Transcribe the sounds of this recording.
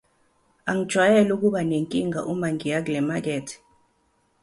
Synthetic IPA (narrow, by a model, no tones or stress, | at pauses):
aŋid̥ʒ̥ʱwajɛluk̬uɓaneŋkʼiŋa̰ʔumaŋijak̬lɛmak̬ɛːtʰi̥